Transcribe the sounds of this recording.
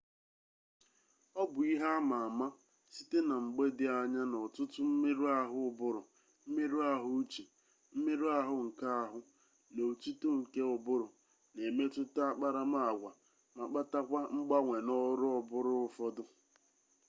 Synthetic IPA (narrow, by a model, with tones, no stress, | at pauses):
ɔ˦bʊ˨i˦ɦa˦ma˨a˨ma˦ | si˦te˦na˨ŋ͡m̩˨ɡ͡be˦dɪ˦a˨ɲa˦nɔ˨tʊ˦tʊ˦m̩˦me˦ɾu˦a˦ɦʊ˦ʊ˨bʊ˦ɾʊ˨ | m̩˦me˦ɾu˦a˦ɦʊ˦t͡ʃe˨ | m̩˦me˦ɾu˦a˦ɦʊ˦ŋ̩˨ka˦a˦ɦʊ˦ | no˨tu˦tu˦ŋ̩˨ke˦ʊ˨bʊ˦ɾʊ˨ | ne˨me˦tʊ˦ta˦a˦k͡pa˦ɾa˦ma˦a˨ɡʷa˨ | ma˨k͡pa˦ta˦kʷa˦ŋ͡m̩˦ɡ͡ba˦ŋʷe˨nɔ˦ɾʊ˦ɔ˨bʊ˦ɾʊ˦ʊ˨fɔ˦dʊ˦